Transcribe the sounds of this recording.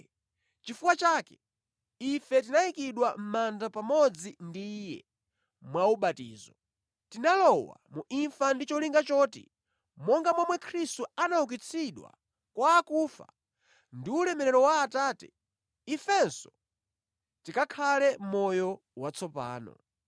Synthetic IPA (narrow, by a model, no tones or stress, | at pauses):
t͡ʃifuwat͡ʃaːkɛ̥ | ifɛtinaikiɗwam̩mandapamɔd͡zindiːjɛ̰ | mwauɓatḭːzɔ | tinalɔwa̰muʔiɱfandit͡ʃɔliŋɡat͡ʃɔːtḭ | mɔŋɡamwamwɛkʰɾistuanauk̬it͡sʰiɗwa̰ | kwaːkuːfa̰ | ndiulɛmɛɾɛɾɔwaːtaːtɛ | ifɛnsɔ̥ | tikakʰalɛm̩mɔjɔ | wat͡sʰɔpa̰ːnɔ̰